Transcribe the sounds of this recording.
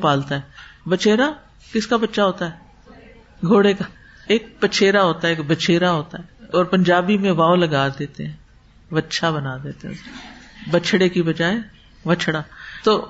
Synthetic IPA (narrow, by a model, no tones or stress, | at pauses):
paːlt̪aɦɛːbət͡ʃʰeːɾa | kɪskabɐtːʃaɦoːt̪aɦɛː | ɡʱoːɽeka | eːk̚pət͡ʃʰeːɾaɦoːt̪aɦɛeːkbət͡ʃʰeːɾaɦoːt̪aɦɛːɔːɾpə̃ɲd͡ʒaːbimẽʋaːolɐɡaːd̪eːt̪eɦɛ̃ː | ʋətːʃʰabɐnaːd̪eːt̪eɦɛ̰̃ | bət͡ʃʰɽekibɐd͡ʒaːe | ʋət͡ʃʰɽaːt̪oː